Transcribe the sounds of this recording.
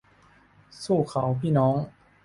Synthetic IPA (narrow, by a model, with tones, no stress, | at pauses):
suː˥˩kʰa˩˦wpʰiː˥˩nɔː˨˦˥ŋ